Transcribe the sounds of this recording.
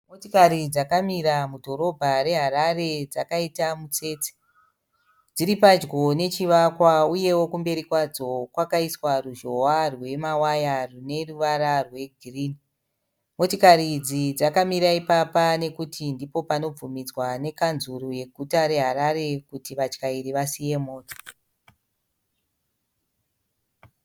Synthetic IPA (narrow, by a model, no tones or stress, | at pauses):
motikaɾid͡zakamiɾamudʱo̞ɾo̞bʱaɾe̞ɦaɾare̞d͡zakaitamut͡se̞ːt͡se̥ | d͡ziɾipad͡ʒɡo̞ne̞t͡ʃiʋakwauje̞wo̞kumbe̞ɾikwad͡zo̞kwakaiswaruʒo̞warwe̞mawajarune̞ruʋaɾarwe̞ɡʱriːni | mo̞tokarid͡zid͡zakamiɾaipapane̞kutʰindipo̞pano̞b͡vumid͡zwane̞kanzuruje̞ɡʱutaɾe̞ɦaɾaɾe̞kutiʋat͡ʃkaiɾiʋasije̞mo̞ːto̥